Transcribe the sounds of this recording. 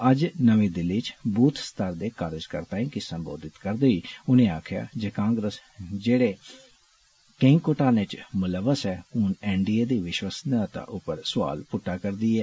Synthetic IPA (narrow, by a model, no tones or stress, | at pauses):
əd͡ʒnəʋẽːd̪ɪlːiːt͡ʃbuːt̪ʰst̪əɾd̪eːkaːɾɪd͡ʒkəɾt̪ãːĩːkɪsəmbo̰ːd̪ɪt̪kəɾd̪eiːʊnẽːaːkʰja̰ːd͡ʒeːkãːŋɡɾəsd͡ʒeːɽeː | kɪ̃ŋɡkoʈãːnet͡ʃmʊləʋːəsɛːʊnɛːɳɖiːeːd̪iːʋɪʃʋəsd̪ãːt̪ã̰ʔʊpəɾsʊʋa̰ːlpʊʈːaːkəɾd̪iːɛː